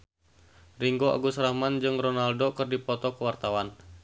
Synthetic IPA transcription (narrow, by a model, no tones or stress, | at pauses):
riŋɡoʔa̰ɡusɾahmand͡ʒɨŋrɔnaldokɨrdipɔt̪ɔkəwart̪awan